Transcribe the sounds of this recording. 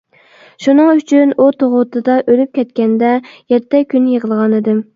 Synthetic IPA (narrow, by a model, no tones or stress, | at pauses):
ʃunɨŋyt͡ʃʰynut̪ʰoʁʊt̪ʰɨd̪ɑʔølyp̚kʲɛt̪kʲɛnd̪ɛjɛt̪ʰːɛkʲynjeʁəlˠʁɑnɨd̪ɨm